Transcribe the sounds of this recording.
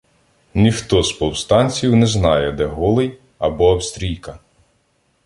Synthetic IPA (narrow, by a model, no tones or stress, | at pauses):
nʲixt̪ɔspɔwst̪ɑnʲt͡sʲiwnɛznɑjɛd̪ɛɦɔlˠɪj | ɐbɔːpst̪ɾʲijkɐ